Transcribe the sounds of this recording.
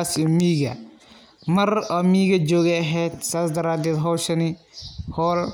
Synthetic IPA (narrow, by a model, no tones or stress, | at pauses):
sɔmiːɡɐ̰ | mɐɾɔmiːɡɐd͡ʒɔːɡɛɐɦɛt̪saːs̬d̪ɐɾaːd̪ɛːd̪ɦɔlʃɐni | hɔːl